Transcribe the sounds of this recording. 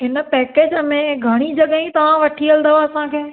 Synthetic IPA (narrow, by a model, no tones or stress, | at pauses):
ɦɪnə̆pɛːkeːd͡ʑəmẽɡʱɐɽ̃id͡ʑɐɠaĩt̪ɐʋ̤ãʋɐʈʰiɐld̪əʋaɐsãkʰeː